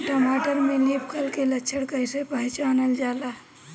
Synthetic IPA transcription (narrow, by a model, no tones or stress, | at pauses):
ʈɔːmaːʈəɾmẽliːpʰkʰəlkelətːʃʰəɽkəɪsepəɦt͡ʃaːnəld͡ʒaːla